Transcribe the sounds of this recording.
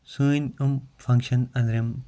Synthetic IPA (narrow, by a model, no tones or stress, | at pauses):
suːnumfɐ̃ŋkʃɐnɐnɾɐm